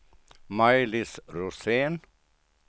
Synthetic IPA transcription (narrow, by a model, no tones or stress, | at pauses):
majlɪsɾuseːn